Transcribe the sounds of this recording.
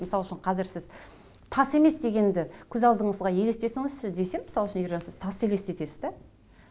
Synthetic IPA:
mɪsɑlˠʏʃɪɴqʰɑzɪɾsɪz | t̪ʰɑse̞me̞sd̪e̞ɡʲe̞nd̪ɪkʲʰɵzɑlˠd̪əɴəzʁɑje̞le̞st̪e̞sɪŋɪzʃɪd̪e̞se̞mmɪsɑlˠʏʃɪnjʏɾʒɑnsɪzt̪ʰɑse̞le̞st̪e̞t̪e̞sɪzd̪æ

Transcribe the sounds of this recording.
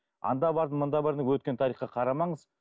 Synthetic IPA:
ɑ̰nd̪ɑbɑɾd̪ənmənd̪ɑbɑɾd̪əwɵt̪̚kʲe̞nt̪ʰɑɾijχqɑqʰɑɾɑmɑɴəz

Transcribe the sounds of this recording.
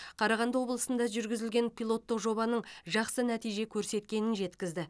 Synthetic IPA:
qʰɑɾɑʁɑnd̪əwo̞blˠəsənd̪ɑʒʏɾɡʲɪzɪlɡʲe̞npʲijlˠo̞t̪ːəqʒo̞bɑnəɴʒɑqsənæt̪ijʒe̞kʲʰɵɾse̞t̪kʲe̞nɪnʒe̞t̪kʲɪzd̪ɪ

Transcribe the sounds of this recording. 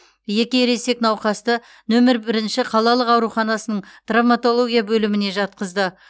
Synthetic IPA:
je̞kʲeɾe̞se̞knɑwqɑst̪ə | nɵmɪɾbɪɾɪnʃɪqʰɑlˠɑlˠəqɑwɾuχɑnɑsənəɴt̪ravmat̪o̞lˠo̞ɡʲijabɵlɪmɪne̞ʒɑt̪̚qəzd̪ə

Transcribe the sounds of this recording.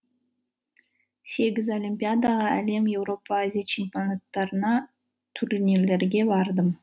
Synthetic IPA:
se̞ɡʲɪzolʲimʲpʲijad̪ɑʁɑæle̞mje̞wɾo̞pːaazʲijat͡ʃʰɪmpʲionat̪ːɑɾənɑ | t̪ʰʊɾnele̞ɾɡʲe̞bɑɾd̪əm

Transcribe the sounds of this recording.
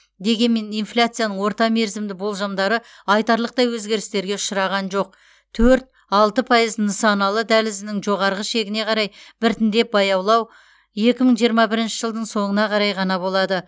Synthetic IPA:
d̪e̞ɡʲe̞nme̞nijnflʲat̪sɨjanəɴwo̞ɾt̪ɑme̞ɾzɪmd̪ɪbo̞lˠʒɑmd̪ɑɾə | ɑjt̪ɑɾlˠəq̚t̪ɑjwɵzɡʲe̞ɾɪst̪e̞ɾɡʲe̞ʊ̥ʃəɾɑʁɑnʒo̞q̚ | t̪ʰɵɾt̪̚ | ɑlˠt̪əpʰɑjəznəsɑnɑlˠəd̪ælɪzɪnɪŋʒo̞ʁɑɾʁəʃe̞ɡʲɪne̞qʰɑɾɑjb̥ɪɾt̪ɪnd̪e̞p̚bɑjɑwlˠɑw | je̞kʲɪməɴʒijəɾmɑbɪɾɪnʃɪʒəlˠd̪əɴso̞ɴənɑqʰɑɾɑjqɑnɑbo̞lˠɑd̪ə

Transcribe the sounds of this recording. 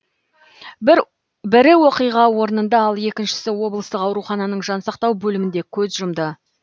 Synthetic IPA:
bɪɾɪwo̞qijʁɑwo̞ɾənənd̪ɑɑlˠe̞kʲɪnʃɪ̥sɪwo̞blˠəst̪əqɑwɾuχɑnɑnəɴʒɑnsɑqt̪ɑwbɵlɪmɪnd̪e̞kʲʰɵzʒʊmd̪ə

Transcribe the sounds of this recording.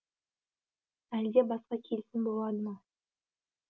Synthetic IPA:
æld̪ʲebɑsqɑkʲʰelsɪnbolˠɑd̪əmɑ

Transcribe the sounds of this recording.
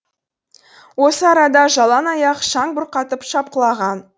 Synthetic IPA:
wo̞səɑɾɑd̪ɑʒɑlˠɑnɑjɑqʃɑŋbʊɾqɑt̪əpʃɑp̚qəlˠɑʁɑn

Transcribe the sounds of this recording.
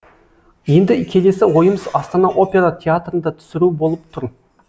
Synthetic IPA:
je̞nd̪ɪkʲʰe̞le̞sɪwo̞jəməzɑst̪ɑnɑʔo̞pʲe̞ɾat̪ʲʰeat̪rənd̪ɑt̪ʰʏ̥sɪɾubo̞lˠəp̚t̪ʰʊɾ

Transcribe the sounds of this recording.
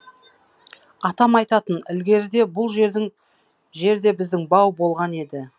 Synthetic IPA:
ɑt̪ɑmɑjt̪ɑt̪ənɪlɡʲe̞ɾɪd̪e̞bʊlˠʒeɪŋ | ʒe̞ɾd̪e̞bɪzd̪ɪŋbɑwbo̞lˠʁɑne̞d̪ɪ

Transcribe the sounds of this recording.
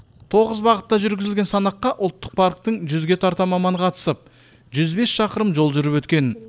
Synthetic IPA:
t̪ʰo̞ʁəzbɑʁət̪ːɑʒʏɾɡʲɪzɪlɡʲe̞nsɑnɑqːɑʔʊlˠt̪ːə̥q̚pʰɑɾk̚t̪əɴʒʏzɡʲe̞t̪ʰɑɾt̪ɑmɑmɑnqʰɑt̪ə̥səp̚ | ʒʏzbe̞sʃɑqəɾəmʒo̞lˠʒʏɾɪpwɵt̪̚kʲe̞n

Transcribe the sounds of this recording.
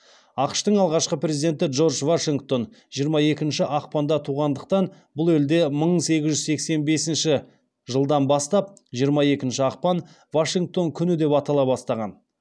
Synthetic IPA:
ɑqə̥ʃt̪əɴɑlˠʁɑʃqəpɾe̞zid̪e̞nt̪ɪdʒo̞rʒvaʃiŋɡt̪o̞n | ʒijəɾmɑje̞kʲɪnʃɪʔɑq̚pɑnd̪ɑt̪ʰuʁɑnd̪əqt̪ɑn | bʊlˠe̞ld̪e̞məɴse̞ɡʲɪzʒʏzsekse̞nbe̞sɪnʃɪ | ʒəlˠd̪ɑnbɑst̪ɑp̚ | ʒijəɾmɑje̞kʲɪnʃɪɑq̚pɑn | vaʃiŋk̚t̪o̞ŋkʲʰʏnɪd̪e̞pɑt̪ɑlˠɑbɑst̪ɑʁɑn

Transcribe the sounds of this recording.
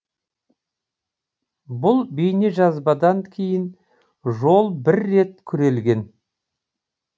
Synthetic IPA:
bʊlˠbijne̞ʒɑzbɑd̪ɑŋkʲʰe̞jɪn | ʒo̞lˠbɪɾːe̞t̪̚kʲʰʏɾe̞lɡʲe̞n

